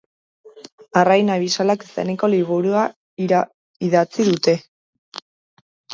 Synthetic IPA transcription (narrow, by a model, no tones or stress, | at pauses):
arajnaβisalake̥sa̰niko̞liβ̞uɾua | iðat͡siðut̪e̞